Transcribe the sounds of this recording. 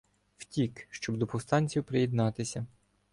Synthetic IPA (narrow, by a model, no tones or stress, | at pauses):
wtʲikʃt͡ʃɔbd̪ɔpɔwst̪ɑnʲt͡sʲiwpɾejid̪nɑt̪ɪsʲɐ